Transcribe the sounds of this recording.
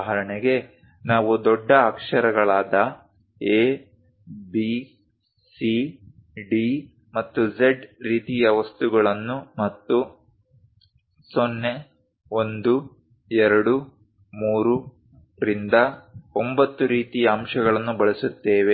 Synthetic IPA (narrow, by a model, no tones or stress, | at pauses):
ɦɐɾɐɳeɡe̞ | naːʋud̪ɔɖːɐːkʂɐɾɐɡɐɭaːd̪ɐ | eː | bi | si | ɖi | mɐt̪ːud͡ʒeɖɾiːt̪ijɐʋɐst̪uɡɐɭɐnːumɐt̪ːu | sonːe̞ | o̞nd̪u | ɛɾɐɽu | muːɾu | ɾind̪ɐombɐt̪ːuɾiːt̪ijɐːmʂɐɡɐɭɐnːubɐɭisut̪ːeːʋe